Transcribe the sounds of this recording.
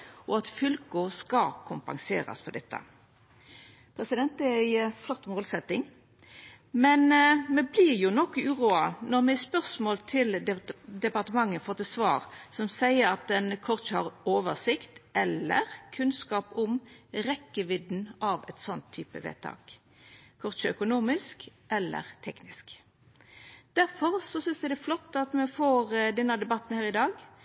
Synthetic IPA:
ɔɑt̪fʏlkʊskɑkʰʊmpɑ̰ŋsḛːɾɑ̰spɔd̪ɛt̪ʰːə̰ | pʰɾɛsɪd̪ɛnt̪̚d̪ɛæɪflɔt̪ːmoːlsɛt̪ːɪŋ | mɛnmɛblɪʁjʊnɔkːʉːʁuːɑnɔʁmɛspœʁsmoːlt̪ʰɪld̪ɛpɑʁt̪əmɑŋːənfɔt̪ːəsʋɑːʁsɔmsæɪəɾɑt̪̚d̪ɛnkʰɔʁt͡ʃhɑʁoːʋəʁsɪkt̪ɛlːə̰ʁkʰʉnskɑːpʊmɾɛkːəʋɪd̪n̩ʔɑʋɛ̰t̪sɔnt̪ʰːyːpə̰ʋḛːt̪ʰɑ̰ːk | kʰɔʁt͡ʃəœkʊnuːmɪskʔɛlːə̰ʁt̪ʰɛknɪsk | d̪̥æɾfɔʁsɔsʏnsd̪æd̪ɛflɔt̪ːɑt̪mɛfoːʁd̪ɛnːɑd̪ɛbɑt̪ːn̩hæːʁɪd̪ɑːɡ

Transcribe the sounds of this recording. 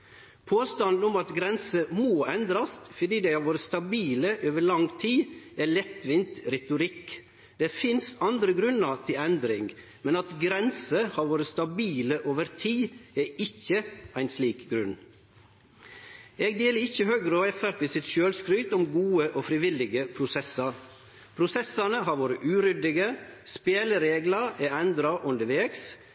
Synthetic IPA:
pʰoːst̪ɑnd̪n̩ʊmɑt̪ɡɾɛnsəmoːɛnd̪ɾɑst̪fɔd̪iːd̪æɪhɑɾʋoːɾəst̪ɑbiːləʔoːʋəɭlɑŋt̪ʰiːɛlɛt̪ːʋɪnt̪ɾɛt̪ʊɾɪkː | d̪ɛːfɪnsɑnd̪ɾəɡɾʉnːət̪ʰɪlɛnd̪ɾɪŋ | mɛnɑt̪ɡɾɛnsəhɑɾʋoːɾəst̪ɑbiːləʔoːʋəɾt̪ʰiːeːɪçːəʔæɪnsliːkɡɾʉn | eːɡd̪eːləɾɪçːəhøːɡɾəɔɛfæɾt̪ɪsɪt̪ʃøːlskɾʏːt̪ɔmɡuːəʔoːfɾɪʋɪlːɪɡəpʰɾʊsɛsɑɾ | pʰɾʊsɛsɑnəɦɑɾʋoːɾəʔʉːɾʏd̪ɪɡəspeːləɾeːɡləɾɛːɛnd̪ɾɑʔʊnd̪əʋeːks

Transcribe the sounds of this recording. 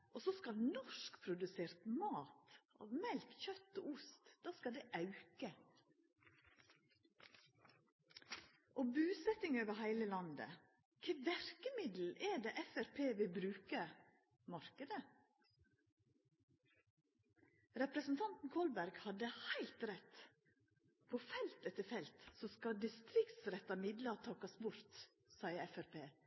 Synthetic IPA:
ʔososkɑlnɔʃkpʰɾʊd̪ʉseːɾt̪mɑːt̪ʔɑ̰ːʋmɛlkçœt̪ːo̰ːʊst̪d̪̥ɑːskɑd̪ɛʔɑʉkə | ʔoːbʉːsɛt̪ɪŋoːʋəhæɪləlɑnd̪ə̰ | kʰeːʋæɾkəmɪd̪l̩ʔɛɖ̪eːʔɛfæɾpʰeːʋɪlbɾʉːkə | mɑɾkəd̪ə | ɾɛpɾəsn̩t̪ʰɑnt̪n̩kʰɔlbæɾɡhɑd̪əhæɪlt̪ɾɛt̪ | pʰoːfɛlt̪ɛt̪əfɛlt̪soskɑd̪ɪst̪ɾɪkt̪sɾɛt̪ɑmɪd̪lɑt̪ʰɑːkɑsbʊɾt̪ | sɑɪəɛfæɾpʰeː

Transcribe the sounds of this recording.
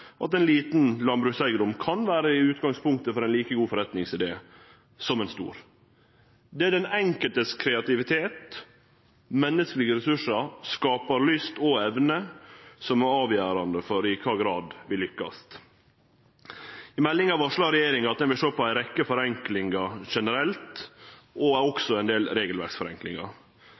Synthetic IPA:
ʔɑ̰t̪ɛnliːt̪nlɑnbɾʉːsæɪɡəd̪ʊmkʰɑnʋæːɾəɪʉːt̪ɡɑŋspʰʊŋk̚t̪əfɔɾæɪnliːkəɡuːfɔɾɛt̪nɪŋsɪd̪ḛː | sɔmɛnst̪ṵːɾ | d̪ɛæɖɛnɛŋkəlt̪əskʰɾɛɑt̪ɪʋɪt̪ʰeːt̪ | mɛnːəskəlɪɡəɾɛsʉʂəɾskɑːpɑɾlʏst̪ɔɛʋnəsɔmɔɑːʋjæːɾɑnd̪əfɔɾɪkʰɑːɡɾɑːd̪ʋɪlʏkːɑ̰s | ɪmɛlːɪŋɑʋɑʂɭɑɾɛjeːɾɪŋɑt̪̚d̪ɛnʋɪlʃøːɾpɔæɪɾɛkːəfɔɾɛŋklɪŋɑʂɛnəɾɛlt̪ | ɔæɔksɔæɪnd̪eːlɾeːɡəlʋæ̰ɾksfɔɾɛ̰ŋklɪŋɑ̰

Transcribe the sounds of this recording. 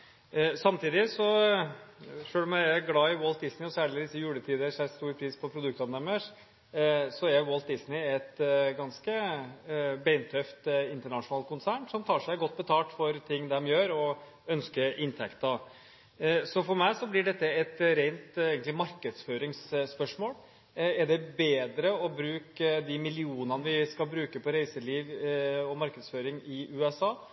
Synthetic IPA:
sɑmt̪ʰiːd̪ɪsɔ | ʂøːlɔmæɪɡlɑːɪwɔlt̪̚d̪ɪsnɪɔsæːɭɪd̪ɪsːəjʉːlət̪ʰiːd̪əəʂæɾst̪uːɾpʰɾiːspʰɔpʰɾʊd̪ʉkt̪ɑnɛməʂ | sɔæɾwɔlt̪̚d̪ɪsnɪɛt̪ɡɑnskə | bɛɪnt̪ʰœft̪ɪnt̪əɳɑʂʊnɑːlt̪̚kʰʊnsæːɳsɔmt̪ʰɑːʂæɪɡɔt̪ːbət̪ʰɑːʈ̪fɔɾt̪ʰɪŋːd̪ɛmjøːɾɔ | œnskəʔɪnt̪ʰɛkt̪ɑ | sɔfɔɾmæɪsɔblɪɖɛt̪ːəɛt̪ɾeɪnt̪eːɡənt̪lɪmɑɾkəd̪sføːɾɪŋsːpœʂmoːl | æɖɛbeːd̪ɾəɔbɾʉːkd̪ɪmɪlɪuːnɑnəʋɪskɑlbɾʉːkəpʰɔɾæɪsəɭiːʋɔmɑɾkəd̪sføːɾɪŋɪʔʉːɛsɑː

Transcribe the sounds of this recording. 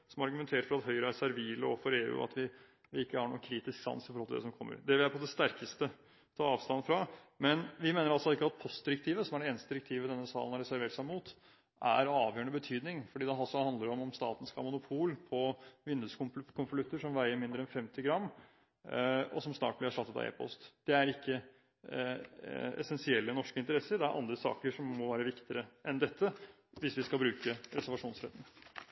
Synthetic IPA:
sɔmɑɾɡʉmɛnt̪ʰeːɾəfɔɾɑt̪hɦœʏɾəsæɾʋɪːləɔfɔɾeːʉ̰ːɑ̰t̪ʰʋɪ | ʋɪɪkːəhɑɳṵːənkʰɾiːt̪ɪsksɑ̰nsɪfɔɾɔlɑd̪ɛ̰sɔmkʰɔmːə̰ɾd̪ɛʋɪlæɾpʰɔd̪ɛst̪æɾkəst̪ə | t̪ʰɑːɑːʋst̪ɑnːfɾɑmɛnʋɪmeːnəɾɑlsɔɪkːəɑt̪̚pʰɔst̪d̪ɪɾək̚t̪ʰiːʋəsɔmæɖɛeːnəst̪əd̪ɪɾəkt̪ʰiːʋəd̪ɛnːəsɑ̰ːlənhɑɾɛsæɾʋeːʈsɑmːmuːt̪ | ʔæ̰ɾɑːʋjøːəɳəbət̪ʰyːd̪nɪŋfɔɖiːd̪ɛɦɑlsɔhɑnd̪ləɾɔmɔmst̪ɑ̰ːt̪n̩skʰɑːmʊnʊpʰuːlpʰɔʋɪnd̪ʉskʰʊnflʉt̪ːəʂɔmʋæɪəmɪnd̪ɾəɛnfɛmt̪ʰɪɡɾɑmː | ɔ̰sɔmsnɑ̰ːʈ̚blɪɑʂʈɑt̪ːət̪ɑ̰ḛːpʰɔ̰st̪d̪̥ɛæɾɪkʰːə | ɛ̰sɛnsɪɛlːənɔʂkəɪnt̪əɾɛsːəɾd̪ɛæɾʔɑ̰nd̪ɾəsɑ̰ːkəʂɔmːɔʋæːɾəʋɪkt̪ɪɾəʔɛnd̪ɛt̪ʰːə | ʋɪsʋɪskɑlbɾʉːkəɾɛsæɾʋɑʂuːnsɾɛ̰t̪n

